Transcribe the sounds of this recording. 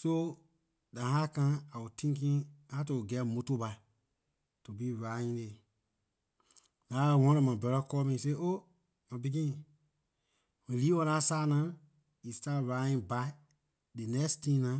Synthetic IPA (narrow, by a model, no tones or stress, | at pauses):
so | dãɦakãawutĩŋk̬ĩŋhatouɡɛmotoba | tubiɹaĩŋle | lãːwɔ̃lɔ̃mãbɛɾɔkɔmĩseːʔo | mãbiɡĩ | wĩliwɔ̃lãsaːnã | istatɹaĩŋba | dɨnɛkstĩːnã